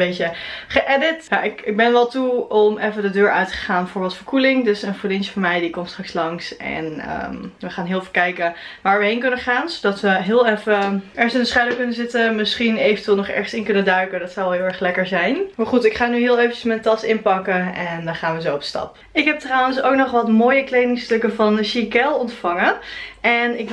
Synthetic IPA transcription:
bejtəχəʔɛdətjaʔɪkɪɡ̚bɛnʋɛlˠtuɔmɛfədədøːɹœ̰ɥtə̥ə̥χaːnbəfoːɹbɪlˠtfəɹkulɪŋdɵsənfoɹdinsfɔɹmɛjdikɔmtstrɑkslɑŋsɛ̰nə̰mʋəχaːnɦɪːlˠfəkɛjkəʋaːɹʋəɦejnkɵnəχaːnsodɑtʋəɦɪːlˠɛfəɛɹsɪndəsχaɥdəɹkɵnəzɪtəmɪsχinejvəntʋɪːlˠnɔχɛ̰ɹχsɪnkɵnədœɥkədɑtsɔwlˠɦɪːlˠɛɹχlɛkəɹzɛjnmaɹχutɪkχaːnyɦɪːlˠejvəəsmɛtətɑsɪnpɑkəɛndɔnχaːnʋəzoɔpstɑ̰p | ɪkɦɛp̚trawənsowknɔχʋɑtmoːjəklejdɪŋstɵkəvɑndəʃikɛlˠɔntfɑŋəʔɛnɪk

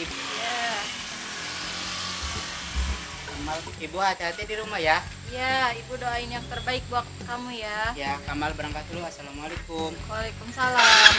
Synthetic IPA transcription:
ibuja | kamal | ibuɦat̪eɦat̪ɛdiɾumahja | jaibudoaɪnjaŋt̪ərbaɪk̚buak̚t̪kamujajakamalbəɾaŋkat̪luasalamualakʊmwalajkumsala

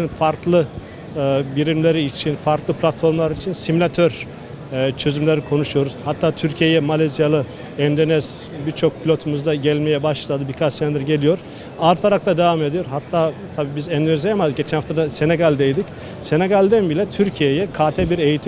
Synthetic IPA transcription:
nfaɾklˠɯ | biɾimlʲeɾiːt͡ʃʰinfaɾklˠɯpʰlʲat̪fo̞ɾmlˠaɾit͡ʃʰinsimulʲat̪ʰøɾ | t͡ʃʰø̞zymlʲeɾikʰo̞nuʃujo̞ɾuz̥hat̪ʰːaːt̪ʰyɾcʰijejɛmalʲezijalˠɯ | ɛnd̪o̞nɛz̥ | biɾt͡ʃʰo̞k̚pʰilʲo̞t̪ʰumuzd̪aɟælʲmejɛbaʃlˠad̪ɯbikʰat͡ʃsɛnd̪iɾɟe̞lʲijo̞ɾ̥ | aɾt̪ʰaɾak̚lad̪evame̞d̪ijo̞ɾɦat̪ʰːaːt̪ʰabiːbizɛnd̪øzejamad̪ɯk̚ɟet͡ʃʰɛnhaft̪ʰad̪ase̞neɡalʲd̪ejd̪ic | se̞neɡalʲd̪ænbilʲɛt̪ʰyɾcʰijejɛkʰaːt̪ʰɛbiɾe̞jit̪ʰi

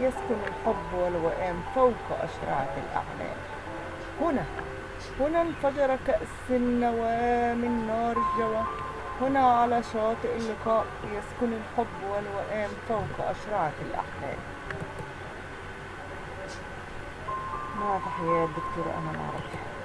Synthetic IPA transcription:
jaskʊnɪlħʊbːwalwaʔeːmfawkʔa̰ʃɾˤɑ̰ːʕt̪ɪ̰lʔa̰ʕla̰ːl | hʊna | hʊnalfɑd͡ʒɑɾˤɑkaʔsɪnːawamɪnːɑːɾˤɪd͡ʒawa | hʊnaʕalaʃɑːt̪ˤɨʔɪlːɪkaːʔjaskʊnɪlħʊbːwalwaʔaːmfawkʔa̰ʃɾˤɑːt̪ɪlʔa̰ʕla̰ːl | mafiħajaːd̪ʊkt̪uːɾˤʔa̰nana̰ʕɾˤɑ̰f

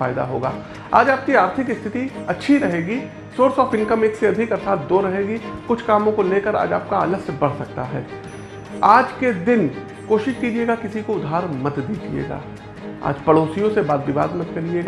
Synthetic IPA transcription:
aːɪd̪a̰ɦo̰ːɡa̰ː | a̰ːd͡ʒaːp̚kiaːɾt̪ʰɪkɪst̪ʰɪt̪iɐtːʃʰiɾɐɦeːɡi | soːɽsɔːfɪ̃nkəmeːkseɐd̪ʱɪkəsaːt̪̚ʰd̪oɾɐɦeːɡikʊt͡ʃʰkaːmõkoleːkəɾa̰ːd͡ʒa̰ːp̚kaələsbɐɽ̤sɐk̚t̪a̰ɦɛ̰ː | aːd͡ʒked̪ɪn | koːʃɪʃkiːd͡ʒieːɡakɪsikoʊd̪ʱaːɾmɐt̪d̪iːd͡ʒiḛːɡa̰ː | a̰ːd͡ʒpɐɽoːsijõsebaːd̪ʋɪʋa̰ːd̪mɐt̪kɐɾid͡ʒeːɡ

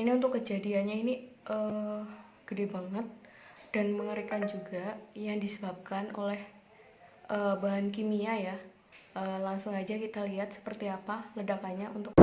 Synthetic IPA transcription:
iniunt̪ʊkːəd͡ʒadianɲainiʔə | ɡ̥ədebaŋət̪̚ | d̥anməŋəɾikand͡ʒuɡajaŋdisəbap̚kano̰lɛh | ʔəːbaɦank̬imiaja | ʔəlaŋsʊŋad͡ʒakit̪aliɦat̪̚sə̥pərt̪iapalədakaɲaʔṵnt̪ʊk̚

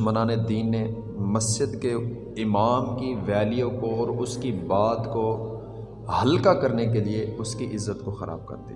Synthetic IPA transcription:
mənaːned̪iːnːe | mɐsd͡ʒɪd̪ke | ɪmaːmkiʋɛːlijõkoɔːɾʊskibaːt̪ko | hɐlkakɐɾnekelieʊskiʔɪzːət̪koxɐɾa̰ːb̚kɐ̰ɾd̪ḭ

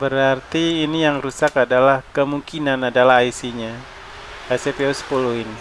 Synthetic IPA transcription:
bəɾart̪iːnijaŋrusakadalahkəmuŋkinanadalaɦaisiɲa | asepeosə̥puluɪn

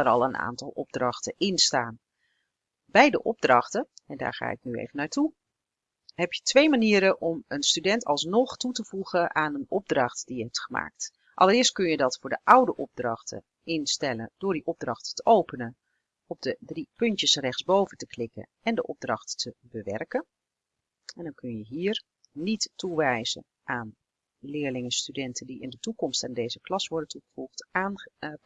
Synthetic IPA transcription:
əɾɑlˠəna̰ːntɑlˠɔb̚drɑxtəʔɪnstaːn | bɛjdəʔɔb̚drɑχtəɛnda̰ːɹχa̰ːɪ̰k̚nyḛːvənaːɹtu | ɦɛpjətʋejmaniːəɾəʔɔmənstydɛntʰɑlˠsnɔχtutəvuɣəʔaːnənɔb̚drɑχtd̥ijəɦɛp̚tχəma̰ːk̚t | ʔɑlˠərɪːəst̚kɵnjədɑtfʊːɹdəʔawdəʔɔb̚drɑχtə̰ | ɪnstɛləndʊːɹdiʔɔb̚drɑχtːəʔowpənən | ɔb̚dədripɵntjəsrɛχtzbowvəntəklɪkə̰nɛndəʔɔb̚drɑχtːəbəʋɛrkən | ɛndɑnkɵnjəɦiːɹ | nitːuʋɛjzə̰n | ʔaːn | lɪːɹlɪŋəstydɛntəndiɪndətukɔmstɛndejzəklɑsʋɔɹdəntuχəvuχtaːn

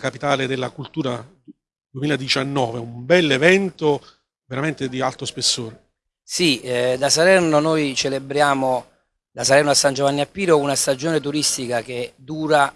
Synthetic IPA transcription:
kapit̪aːled̪elːakult̪uːɾa | d̪wemiːlad̪it͡ʃanːɔːveumbɛlːevɛnt̪o | veɾament̪ed̪ialt̪ɾospesːoːɾe | sid̪asalɛrnonojt͡ʃelebɾjaːmo | d̪̥asalɛrnoasːand͡ʒovanːiapːiːɾounast̪ad͡ʒoːnet̪uɾist̪ikak̟ed̪uːɾa

